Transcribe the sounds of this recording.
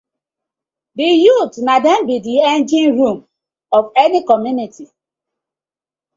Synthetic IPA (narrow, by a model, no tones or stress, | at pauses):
dijutnadem̩bidiɛnd͡ʒĩnɾum | ɔvenikɔmjunitʰi